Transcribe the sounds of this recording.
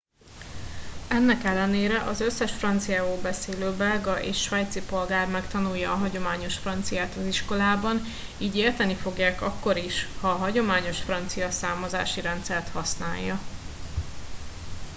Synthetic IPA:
ɛnːɛkɛlːɛneːɾɛʔɒzøsːɛʃfrɒnt̪sijaːvoːlbɛseːløːbɛlɡɒʔeːʃʃʋɛjt̪sipo̞lɡaːrmɛkt̪ɒnujːɒːɦɒɟo̞maːɲo̞ʃfrɒnt̪sijaːt̪ɒziʃko̞laːbɒn | iːɟeːrt̪ɛnifo̞ɡjaːkɒkːo̞ɾiʃhɒːɦɒɟo̞maːɲo̞ʃfrɒnt̪sijɒsaːmɒza̰ːʃiɾɛnt̪sɛrt̪hɒsna̰ːjːɒ

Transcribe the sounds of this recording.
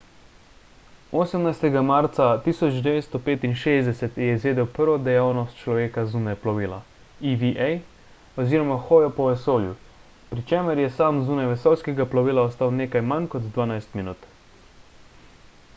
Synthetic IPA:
oːsəmnajst̪ɛɡamaɾt̪sat̪iːsɔd͡ʒd̪ɛʋeːt̪st̪ɔpeːt̪inʃeːzd̪ɛsɛt̪jɛizʋeːd̪ɛwpəɾʋɔd̪ɛjaːwnɔst̪̚t͡ʃlɔʋeːkazuːnɛplɔʋiːla̰ | iʋiʔɛj | ɔziːɾɔmaxɔːjɔpɔʋɛsoːlju | pɾit͡ʃeːməɾjɛsaːmzuːnajʋɛsɔːlskɛɡaplɔʋiːlaɔst̪aːwneːkajmankɔd̪d̪ʋaːnajst̪minuːt̪

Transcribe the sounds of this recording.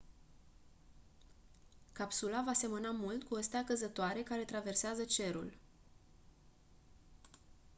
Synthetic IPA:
kapsulavase̞mənamult̪kuəst̪eakəzət̪oaɾe̞kaɾe̞t̪ɾave̞rseazət͡ʃe̞ɾṵl

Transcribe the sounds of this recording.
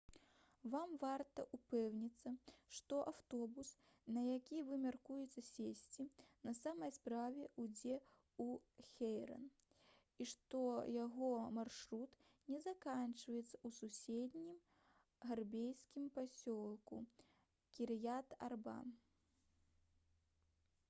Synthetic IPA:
vamvart̪ɐʔupɛwnʲit̪sːɐʂt̪ɔʔawt̪ɔbus | nɐjakʲivɨmʲarkujɛt̪sːɐsʲesʲt͡sʲinɐsamɐjspɾavʲɛʔud͡zʲɛ | uxʲejɾɐ̰n | iʂt̪ɔjaɣɔmarʂɾut̪ | nʲɛzakant͡ʃvɐjɛt̪sɐ̥ususʲed̪ʲnʲim | ɣarbʲejskʲimpasʲɔlˠkṵ | kʲiɾɨjat̪a̰rba̰m

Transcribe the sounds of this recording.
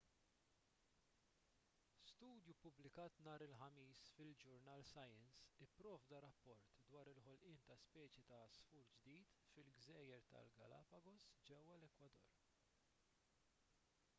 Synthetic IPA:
st̪uːd̪jupʊblɪkɐːt̪nɐːɾɪlħɐmiːsfɪld͡ʒʊɾnɐːlsɐjɛnsɪpːɾɔːvd̪ɐɾɐpːɔɾt̪d̪wɐːɾɪlħɔlʔɪːnt̪ɐspɛːt͡ʃjit̪ɐsfuːɾd͡ʒd̪iːt̪fɪlɡzɛːjɛɾt̪ɐ̰lɡɐ̰lɐ̰pɐɡɔsd͡ʒɛwːɐlɛkwɐd̪ɔ̰ːɾ

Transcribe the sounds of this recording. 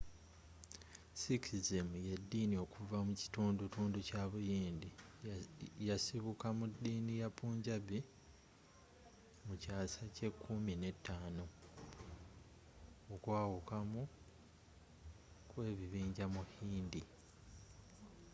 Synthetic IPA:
sikʰizemujedːiːnio̞kuvamuci̥tuːndutuːnducaβujiːndi | jasiβukamudːiːnijapuːɲɟaβi | mucaːsace̞kʰːumine̞tʰːaːno̞ | okwaːwukamu | kwe̞ːβiβiːɲɟamuhiːndi

